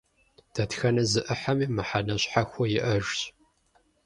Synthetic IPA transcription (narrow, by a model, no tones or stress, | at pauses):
d̥ɐtxɐnɐzɨʔɨħamiːmɨħanɐɕʼħaxʷɔjɪʔɐʒɕʼ